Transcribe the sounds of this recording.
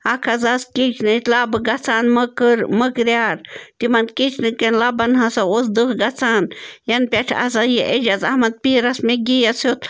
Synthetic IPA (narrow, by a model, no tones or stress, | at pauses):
ɐkʰɐzɐskit͡ʃʰnɨt̪laːbɨɡɐt͡sʰaːnmɨkɨɾmɨkɾʲjaːɾt̪imɐnkit͡ʃʰnɨkenlɐbɐnɦɐsɐosd̪ɨkɡɐt͡sʰaːnjɐnpʲeʈʰa̰zɐjiʔed͡ʒɐzɐhmɐd̪̚piːɾɐsmeɡijɐsot̪